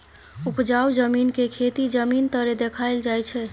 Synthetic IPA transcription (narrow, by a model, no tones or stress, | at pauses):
upd͡ʒawd͡ʒəminkekʰet̪id͡ʒəmint̪əɾed̪ekʰaɪld͡ʒajt͡ʃʰɛ